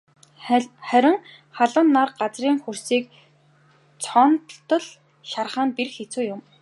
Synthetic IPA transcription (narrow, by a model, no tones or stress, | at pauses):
χæɾʲɪ̆ŋ | χaɮə̆nːarɢat͡sriːŋxursiːk | t͡sʰɔnt̪ɬt̪ɞ̆ɮ | ʃarχaːnpirxet͡suːjʊm